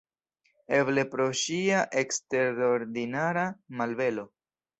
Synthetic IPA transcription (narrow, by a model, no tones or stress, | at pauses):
e̞ble̞pɾo̞ʃiaʔe̞kste̞ɾoɾdinaɾamalve̞lo̞